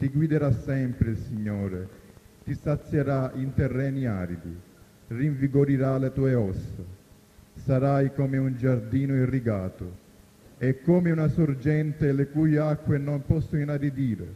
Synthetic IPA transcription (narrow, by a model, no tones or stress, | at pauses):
t̪iɡwid̪eɾasɛmpɾɪilsiɲːɔːɾe | t̪isat̪sːjeɾaint̪erːɛːnia̰ːɾid̪i | riɱviɡoɾiɾalet̪uːeɔsːa̰ | saɾajkomeund͡ʒard̪iːnʊiriɡaːt̪ʊ | ɛkːɔːmɪunasʊɾd͡ʒɛnt̪ɪlekuːjakːwenompɔsːʊinaɾid̪iːɾḛ